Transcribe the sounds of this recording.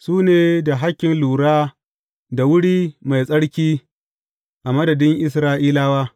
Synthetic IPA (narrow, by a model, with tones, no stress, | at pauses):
suː˦neː˨da˨ɦa˦kʲːɪ˨nluː˨ɽaː˦ | da˨wʊ˦ɽiː˦ma˨jsʼɐ˦ɽkʲiː˦ | ʔa˨mɐ˦dɐ˨dɪ˦ŋʔɪ˦sɾaː˦ʔiː˦laː˦waː˦